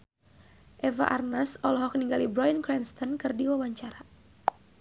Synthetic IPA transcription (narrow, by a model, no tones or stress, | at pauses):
ʔɛva̰ʔarnasɔlɔɦɔk̚niŋɡalibɾɔjənkɾɛnst̪ɔnkɨrdiwawaɲt͡ʃaɾa